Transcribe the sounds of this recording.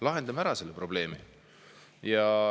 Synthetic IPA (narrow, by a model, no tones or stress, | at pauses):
lɑɦe̞nd̪ɑmæɾɑselːepɾo̞ble̞ːmi | jɑ